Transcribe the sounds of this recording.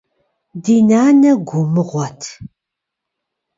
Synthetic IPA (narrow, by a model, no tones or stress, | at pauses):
diːnaːnɐɡʷʊmɨʁʷɔtʰ